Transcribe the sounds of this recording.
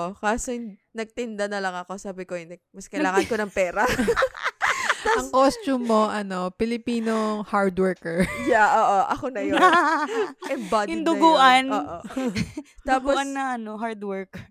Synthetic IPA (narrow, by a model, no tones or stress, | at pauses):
ʔokaːsonnɐɡ̚t̪ɪnd̪ɐnɐlɐŋɐko̞saːbɪkojnɐmɐskɐjllaːŋɐnkonɐŋpɛːɾɐ | t̪aɐŋkost͡ʃumːoʔɐnopɪlɪpiːnohaɹd̪wɛɹkɛɹjaʔoːʔoʔɐkonɐjon | ʔɛmbadɪnd̪ʊɡuːʔɐnoːʔo | aːpoɐnːɐʔɐnoɦaɹd̪wɛɹk